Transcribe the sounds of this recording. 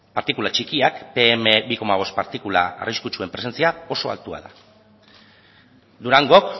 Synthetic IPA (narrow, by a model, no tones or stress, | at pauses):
paɾt̪ikulat͡ʃikiakpe̞ːme̞βiko̞maβ̞o̞spaɾt̪ikula̰a̰rʔiskut͡ʃue̞mpɾesent͡siao̞so̞̰a̰lt̪ua̰ða | d̪uɾaŋɡo̞k